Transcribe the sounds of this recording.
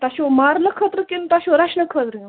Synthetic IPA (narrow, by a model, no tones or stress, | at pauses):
t̪aɕomaɾləkʰət̪ɾəkint̪aɕoɾaʂnəkʰət̪ɾə